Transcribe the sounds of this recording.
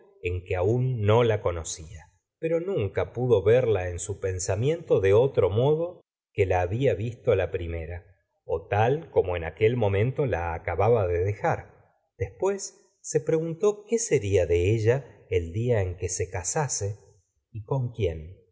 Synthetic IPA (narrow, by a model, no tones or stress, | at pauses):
e̞ŋkeaunːo̞lako̞nosia | pe̞ɾo̞nũŋkapuðo̞βeɾlae̞nsupe̞nsamjẽ̞nt̪oðeo̞t̪ɾo̞mo̞ð̞o̞ | kelaːβiaβist̪olapɾime̞ɾa | o̰t̪alko̞mo̞e̞nake̞lmõ̞mẽ̞nt̪olaːkaβaβaðeðexaɾ | d̪̥e̞spwe̞sː | e̞pɾe̞ɣunt̪o̞ke̞se̞ɾiaðe̞eʒaeld̪iae̞ŋke̞se̞kasase̞ | iko̞ŋkje̞n